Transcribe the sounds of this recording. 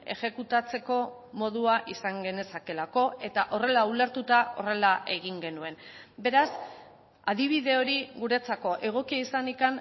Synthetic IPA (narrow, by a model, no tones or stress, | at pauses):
e̞̰ʝe̞kut̪at͡se̞ko̞ | mo̞ð̞uaʔisaŋɡe̞ne̞sake̞lako̞e̞t̪aʔo̞re̞laule̞ɾt̪ut̪ao̞re̞laʔeɣ̞iŋɡe̞nue̞nbe̞ɾas | að̞iβ̞iðe̞o̞ɾiɣuɾe̞t͡sako̞ʔe̞ɣ̞o̞kiaisanikan